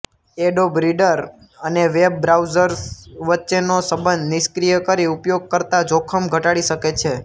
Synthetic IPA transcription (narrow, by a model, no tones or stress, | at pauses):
eɖobɾiɖəɾ | əneʋeb̚ːɾawzəɾsʋətːʃenosəbənd̪nɪskɾijəkəɾiupjoɡ̚kəɾt̪ad͡ʒokʰəmɡʱəʈaɽiʃəket͡ʃʰe